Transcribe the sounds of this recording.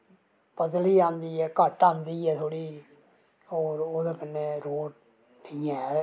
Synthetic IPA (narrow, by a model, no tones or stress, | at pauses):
pəd̪liːãːnd̪iːɛːkəʈãːnd̪iːɛːt̪ʰoːɽiː | oːɾoːd̪eːkənːeːɾoːʈ | niɛ̃